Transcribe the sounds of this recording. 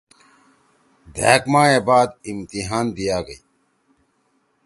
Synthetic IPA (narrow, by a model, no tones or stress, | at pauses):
d̪ʱeːkmaːeːbaːd̪imt̪iɦaːnd̪ijaːɡəi